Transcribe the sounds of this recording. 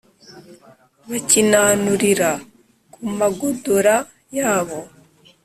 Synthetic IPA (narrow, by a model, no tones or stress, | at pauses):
βacinanuɾiɾa | kumaɡodoɾa | jaːβo̞